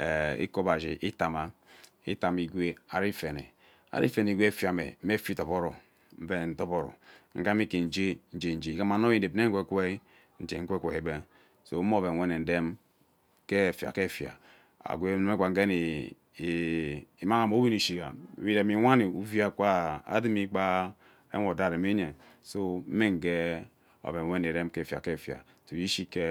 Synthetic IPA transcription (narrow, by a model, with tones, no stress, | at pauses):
ḛ˨ḭ˦ko˦ba˨d͡ʒḭ˨ʔi˦ta˨ma˨ | ḭ˦ta˨mi˨ɡʷe˦a˨ɾi˦fe˨nḛ˨ | a̰˨ɾḭ˦fe˨n˨ɡʷe˦fja˨mḛ˨m̩˦me˦fi˦to˨po˦ɾo˨ | m̩˦ve˦˨n̩˦to˦po˦ɾo̰˨ŋ̩˦ka˦mi˦ke˨n̩˨d͡ʒe˦n̩˦d͡ʒe˨n̩˨d͡ʒe˨˦ka˦ma˨n˦o˦i˦n˨de˨bne˦ŋ̩˦kʷe˦kʷe˦ | n̩˨d͡ʒḛ˨ŋ̩˦kʷe˦kʷe˨i˨be˦ | so˨˦mo˦βe˨we˦ne˨n̩˨de˦m | ke˦˨fja̰˨ke˦˨fja̰˨ | a̰˨ɡʷe˦ne˦me˦kʷa˨ŋ̩˦ɡe˦n˨ | i˨ma˦ŋa˨mo˨˦wi˦ni˨ʃi˨ɡa̰˨wi˦de˨mi˨˦wʷa˦ni˨u˦vja˦kʷa˦a̰˦di˦mi˦k͡pa˦ | ḛ˦ŋo˨da˨ɾe˨me˦ɲe˨ | so˦m̩˦me˦ŋ˨ɡe˦ | o̰˨be˨we˦ne˨ɾe˦m˦ke˦˨fa̰˨ke˦˨fja̰˨ | to˨i˦ʃi˦ke˦